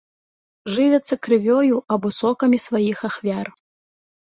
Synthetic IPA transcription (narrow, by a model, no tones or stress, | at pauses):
ʐɨvʲɛt̪sːɐkɾɨvʲɔjuɐbɔsɔkɐmʲisvajixaxvʲar